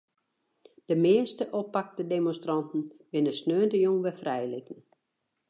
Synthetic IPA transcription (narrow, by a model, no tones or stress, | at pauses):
d̥əmɪəstəʔopːak̚dədemõnstrɑntn̩bɪnəsnøːəndəjoŋʋɛfrɛjlitən̩